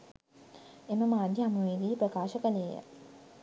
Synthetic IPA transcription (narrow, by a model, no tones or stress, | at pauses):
eməmaːd̪ʱjiɦamuʋed̪iːpɾəkaːʃəkəleːjə̰